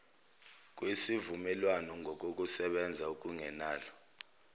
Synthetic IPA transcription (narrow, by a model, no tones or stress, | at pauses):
k̬ʼwisivumɛlwanɔŋʱɔk̬ʼok̬ʼusɛɓɛnd͡zʱauk̬ʼuŋɛnaːlɔ